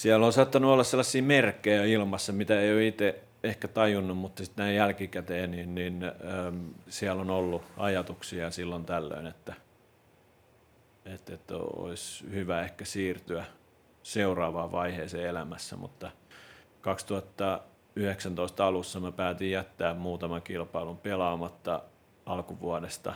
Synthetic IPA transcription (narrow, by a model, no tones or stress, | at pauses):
siælːonsɑːˑt̪ːɑnuolːɑsselːɑsːiːmerkːejæilmɑsːɑmit̪æeioit̪e | ehkæt̪ɑjunːummut̪ːɑsit̪næijjælkikæt̪eːninninː | siælonolːuɑjɑt̪uksiɑsilːont̪ælːø̰inet̪ːæ | et̪ːet̪ːo̰o̰ishyʋæehkæsiːrt̪yæ | seurɑːʋɑːʋɑiheːseːelæmæsːæ̰mṵt̪ːɑ | kɑkst̪uhɑt̪ːɑ | yheksænt̪oist̪ɑlusːɑmæpæːt̪ijjæt̪ːæːmmuːt̪ɑmɑkilpɑilumpelɑːmɑt̪ːɑ | ɑlkuʋuɑdest̪ɑ̰